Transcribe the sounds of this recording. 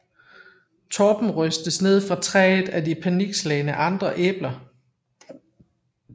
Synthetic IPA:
t͡sʰɒːb̥m̩ʁœsd̥əsne̝ð̞̰ˠfʁɑ̈t͡sʰʁɛ̰ːð̩ˠædipʰæniɡ̥slɛɪnəʔɑ̈nd̥ʁɐʔḛːb̥lɐ

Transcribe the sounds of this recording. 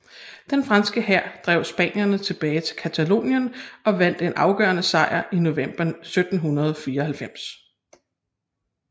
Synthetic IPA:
d̥enfʁɑ̈nsɡ̥əhæɐ̰d̥ʁɛ̰ʊ̰sb̥ɛ̰ːnjɐnət͡sʰe̝b̥ɛːɪt͡sʰe̝lkʰæt͡sʰælo̝̰ːnjənɒ̽ʋæn̰d̥e̝nʔɑ̈ʊɡ̥ɶ̰ːɐnəsɑ̈ɪ̰ɐʔino̝ʋem̰b̥ɐsød̥n̩ɦunɐð̞ˠɒfiːɐɒɦælfem̰s

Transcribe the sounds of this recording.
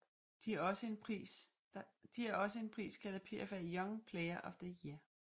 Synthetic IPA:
d̥iæsəe̝nʰis | d̥iæɐɒ̽səe̝npʰʁḭːskʰædæpʰḛɐfæjɒŋpʰleɪɐʔɒ̽fð̥əjiɐ

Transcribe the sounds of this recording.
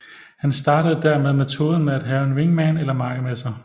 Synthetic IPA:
hænsd̥ɑ̈ːdɾəð̩ˠd̥æɐmeð̞ˠmet͡sʰo̝ːðˠn̩meæd̥ɦɛːʊe̝nʋe̝ŋmænelɐmɑ̈ŋəmesɐ

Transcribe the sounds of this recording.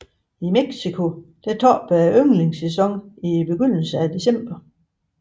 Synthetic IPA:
imeɡ̥sikʰo̝d̥æt͡sʰɒ̰ːb̥æøŋleŋsesɒ̽ŋib̥e̝ɡ̥øn̰l̩səæd̥e̝sem̰b̥ɐ

